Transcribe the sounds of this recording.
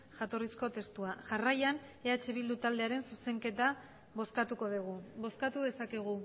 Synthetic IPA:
ʝat̪o̞risko̞t̪e̞st̪uaʝarajane̞at͡ʃe̞βild̪ut̪ald̪e̞aɾe̞nsuse̞ŋke̞t̪a | βoskat̪uko̞ðiɣuβoskat̪uðe̞sakeɣ̞u

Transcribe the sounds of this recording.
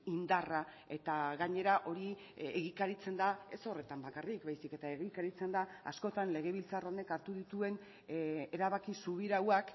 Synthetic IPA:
ind̪ara | e̞t̪aɣaɲe̞ɾaʔo̞ɾi | eɣikaɾit͡se̞nd̪ae̞so̞re̞t̪ambakarik̚bajsike̞t̪aeɣikaɾit͡se̞nd̪aa̰sko̞t̪anle̞ɣ̞e̞β̞ilt͡saro̞ne̞kaɾt̪uðit̪ue̞n | e̞ɾaβakisuβ̞iɾawak

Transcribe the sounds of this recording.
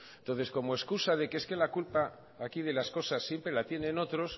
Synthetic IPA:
nt̪o̞nθe̞sko̞moe̞skusað̞e̞keeske̞lakulpaː | kiðe̞lasko̞sasːje̞mpɾe̞lat̪jenẽ̞no̞t̪ɾo̞s

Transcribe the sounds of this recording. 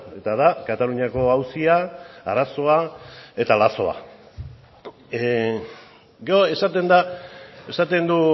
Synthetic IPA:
e̞t̪aðakat̪aluɲako̞awsiaaɾaso̞ae̞t̪alaso̞a̰ | ɡe̞oe̞sat̪e̞nd̪ae̞sat̪e̞nd̪u

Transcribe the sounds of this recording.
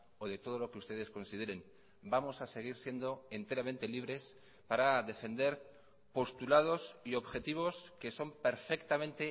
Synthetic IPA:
o̞ðe̞t̪o̞ð̞o̞lo̞keust̪e̞ð̞e̞sko̞nsið̞e̞ɾe̞n | bamo̞sase̞ɣ̞iɾsje̞nd̪o̞ent̪e̞ɾamẽnt̪e̞liβɾe̞s | paɾaðe̞fe̞nd̪e̞ɾ | po̞st̪ulað̞o̞sio̞βxe̞t̪iβ̞o̞ske̞so̞mpe̞ɾfe̞kt̪amẽ̞nt̪e̞

